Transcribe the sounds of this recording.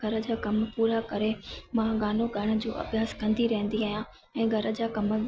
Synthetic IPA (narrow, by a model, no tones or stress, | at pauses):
ɡʱɐɾə̆d͡ʑaːkɐmpuːɾakɐɾemãɡaːnoɡʱɐɽ̃ə̆d͡ʑoːʔɐ̰bjaːskɐ̃nd̪ʱiɾɐɦə̃n̆d̪iaːɦijã | ɛ̃ːɡʱɐɾə̆d͡ʑaːkɐmə